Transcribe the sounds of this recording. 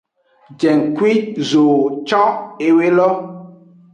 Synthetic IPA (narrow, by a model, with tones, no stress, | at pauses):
d͡ʒɛ˨ŋkwi˦zo˨t͡ʃɔ̃˦e˨we˦lɔ˦